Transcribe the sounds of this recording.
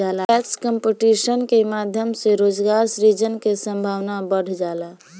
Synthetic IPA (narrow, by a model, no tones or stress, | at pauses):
alaɛkskəmpiʈisənkemad̪ʱjəmseɾod͡ʒɡaɾsɾid͡ʒənkesə̃mbʱawnabəɽ̤d͡ʒala